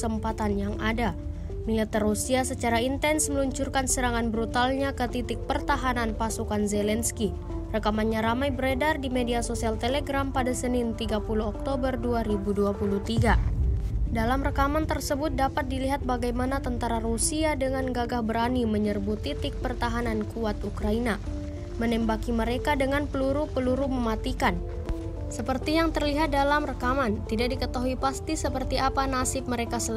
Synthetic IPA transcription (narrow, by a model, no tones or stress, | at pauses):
əmpat̪anjaŋʔada | milat̪ərusiasət͡ʃaɾaint̪ɛnsməluɲt͡ʃurkansəɾaŋanbɾut̪alɲakət̪it̪ɪk̚pərt̪aɦananpasukanzɛlɛnski | rəkamanɲaɾamajbəɾedardimediasosialt̪eleɡɾampadasənɪnt̪iɡapuluɦɔk̚t̪obərduaɾibuduapuluht̪iɡa | dalamrəkamant̪ərsəbʊt̪̚dapat̪̚diliɦat̪̚baɡajmanat̪ənt̪aɾarusiadəŋanɡaɡahbəɾaniməɲərbut̪it̪ɪk̚pərt̪aɦanankʰuat̪ukɾaina | mənɛmbakiməɾekadəŋanpəluɾupəluɾuməmat̪ikan | səpərt̪ijaŋt̪ərliɦat̪̚dalamrəkamant̪idak̚dikət̪aɦuipast̪isəpərt̪iʔapanasɪp̚məɾekasəl